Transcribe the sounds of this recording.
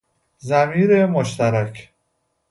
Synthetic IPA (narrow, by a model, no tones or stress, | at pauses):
zæmiːɾemoʃt̪æɾækʰ